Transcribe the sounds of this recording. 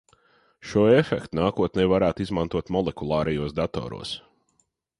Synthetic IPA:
ʃuɔefɛkt̪unaːkuɔt̪nɛjvaɾæːt̪izmant̪uɔt̪mɔlˠɛkulˠɑːɾɛjuɔːsd̪at̪ɔ̰ːɾṵːs

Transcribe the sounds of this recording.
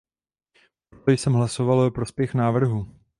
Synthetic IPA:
pot̪ojsɛmɦlaso̞valopɾo̞spjɛxnaːvr̩ɦu

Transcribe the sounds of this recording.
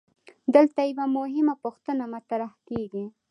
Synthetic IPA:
d̪əlt̪ajawamʊɦɪmapoxt̪ənamat̪aɾahkeɡi

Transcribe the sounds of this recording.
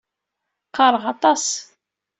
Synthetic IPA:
qːɑɾˤʁɑt̪ˤɑs

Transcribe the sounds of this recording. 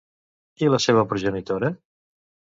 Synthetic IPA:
iləseβ̞əpɾuʒənit̪oɾə

